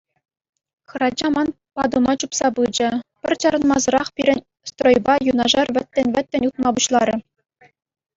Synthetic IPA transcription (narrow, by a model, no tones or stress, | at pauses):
xɤ̆ɾɑd͡ʑɑmɑn | pɑd̪umɑt͡ɕupsɑbɯd͡ʑɘ̆pʲɘ̆rʲt͡ɕɑɾɤ̆nmɑzɤ̆ɾɑχpʲiɾʲɘ̆nʲ | st̪rojbɑjunɑʐɑrʋʲɘ̆t̪ʲːɘ̆nʲʋɘ̆t̪ʲːɘ̆nʲut̪̚mɑbuɕlˠɑɾʲɘ̆